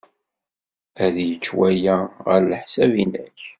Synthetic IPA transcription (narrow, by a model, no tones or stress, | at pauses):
æðjət͡ʃːwæjæʁəɾləħsævinæ̰ç